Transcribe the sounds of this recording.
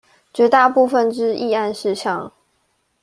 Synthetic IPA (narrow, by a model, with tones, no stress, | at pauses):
t͡ɕɥɛ˧˥t̪a˥˧pu˥˧fə˨nʈ͡ʂɻ̩˦i˥˧a˥˧nʂɻ̩˥˧ɕjɑ˥˨ŋ